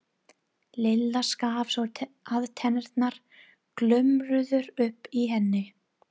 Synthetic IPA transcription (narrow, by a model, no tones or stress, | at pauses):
lɪlːaskaavsɔ | aðt̪ʰɛnɛɾt̪naɾ̥ | klʏmɾʏðʏɾʏhpːiɦɛnːɪ